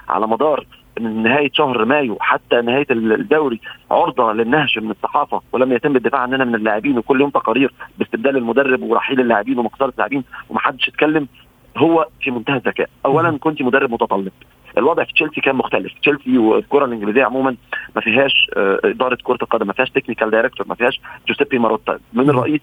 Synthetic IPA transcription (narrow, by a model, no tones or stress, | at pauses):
ʕa̰læmɑd̪ˤɑːɾˤ | menːeɦæːjeʃæhɾmæːjuħat̪ːænɪhæːjæd̪ːæwɾiʕoɾd̪ˤɑlenːæhʃmenesˤːɑħɑːfɑwelæmːæjæt̪emːed̪ːefaːʕenːʔænæmenelːaːʕebiːnwekolːjoːmt̪ɑqɑɾiːɾbest̪eb̚d̪æːlelmʊd̪ærːebweɾˤɑ̰ħiːlelːaːʕebiːnwemɑqsˤɑːɾˤelːa̰ːʕebiːnwemæħad̪ːeʃæt̪̚kælːem | ɦowːæfimont̪æhæzːækæ̰ːʔʔæwːælænkont̪imod̪ærˤːebmot̪ɑt̪ˤɑlːeb̚ | ʔelwɑd̪ˤʕfi̥t͡ʃelsikæːnmoxt̪æleft͡ʃelsiwelkoɾˤɑlʔenɡelizɪjːæʕomuːmænmæfiːɦæːʃʔed̪ɑːɾˤɑt̪koɾˤɑlqɑd̪æmːæfiːhæːʃt̪eknikæld̪ɑjɾek̚t̪oɾmæ̰fihæːʃd͡ʒosefimɑɾˤɑd̪̚t̪æ̰menerˤːɑʔiːs